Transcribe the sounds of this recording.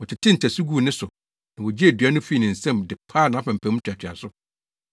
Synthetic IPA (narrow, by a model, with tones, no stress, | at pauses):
wɔ˨t͡ɕʰɪ˨tʰɪ̃˦n̩˨tʰæ˨su˦ɡu˦˨nɪ̃˦sʊ˨ | nã˨wɔ˨d͡ʑi˦æ˨dɥa˦nʊ̃˦fi˦˨nɪ̃˨n̩˨sɛ̃˦mdɪ˨pʰaː˦˨nã˨˦fã˨m̩˨pʰæ̃˨˦m̩̃˦t͡ɕʰᶣa˨t͡ɕʰᶣɪ˨a̰˨sʊ˦